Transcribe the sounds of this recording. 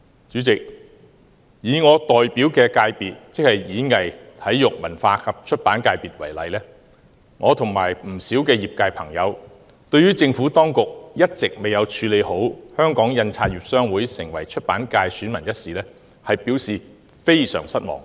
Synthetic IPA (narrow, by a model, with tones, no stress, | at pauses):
t͡ʃyː˨˥t͡sɪ˨k̚ | jiː˨˧ŋɔː˨˧t̪ɔː˨jpiː˨˥wkɛː˧kaː˧jpiː˨t̚t͡sɪ˥k̚hɐ˨jjiː˨˥ŋɐ˨jt̪ʰɐ˨˥jjʊ˨k̚mɐ˨˩nfaː˧kʰɐ˨p̚t͡ʃʰɵ˥t̚paː˨˥nkaː˧jpiː˨t̚wɐ˨˩jlɐ̰˨˧jlɛː˥ | ŋʔɔː˨˧t̪ʰʊ˨˩ŋmaː˨˩jm̩˨˩siː˨˥wkɛː˧jiː˨p̚kaː˧jpʰɐ˨˩ŋjɐ˨˧w | t̪ɵ˧ɥyː˥t͡sɪ˧ŋfuː˨˥t̪ɔː˥ŋkʊ˨k̚jɐ˥t̚t͡sɪ˨k̚me˨jɐ˨˧wt͡ʃʰyː˨˧le˨˧jho˨˥whœː˥ŋkɔː˨˥ŋjɐ˧nt͡sʰaː˧t̚jiː˨p̚sœː˥ŋwuː˨˥jsɪ˨˩ŋwɐ˨˩jt͡ʃʰɵ˥t̚paː˨˥nkaː˧jsyː˨˥nmɐ˨˩njɐ˥t̚siː˨lɛː˥ | hɐ˨jpiː˨˥wsiː˨ | fe˥jsœ̰ː˨˩ŋsɐ˥t̚mɔ̰ː˨˩ŋ